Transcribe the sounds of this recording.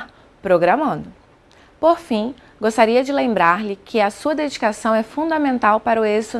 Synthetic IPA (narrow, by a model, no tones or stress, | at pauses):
pɾoɡɾɐmɐ̃nd̪ʊ | poɾfĩ | ɡost̪aɾiɐd͡ʒɪlẽmbɾaɾlɪkʰɪɐsuɐd̪ed͡ʒikasɐ̃w̃ɛfũd̪ɐamẽnt̪awpaɾʊezt̪ʊ